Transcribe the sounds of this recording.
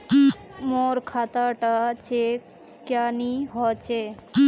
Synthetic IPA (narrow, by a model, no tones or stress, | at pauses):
moɾkʰat̪aʈat͡ɕe | kjaniɦɔt͡ɕe